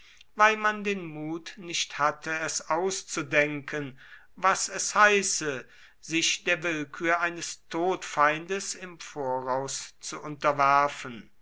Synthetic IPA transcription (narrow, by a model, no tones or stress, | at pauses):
vaɪlmandeːnmuːtnɪʃthatʰəɛsaʊst͡sudɛŋkʰən | vasɛshaɪsə | z̥ɪʃd̥eːɐvɪlkʰyːɐʔaɪnəstʰoːtfaɪndəsɪmfoːɐʁaʊst͡suʔʊntɐvæɐfən